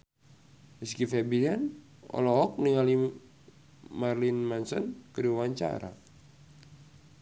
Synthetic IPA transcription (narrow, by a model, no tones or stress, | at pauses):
miskifɛbian | ɔ̰lɔɦɔk̚niŋali | marlinmansɔnkəɾiwaɲt͡ʃa̰ɾa̰